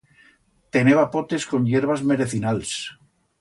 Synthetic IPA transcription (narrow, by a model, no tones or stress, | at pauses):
t̪eneβapot̪e̞sko̞nʎeɾβazme̞ɾeθinals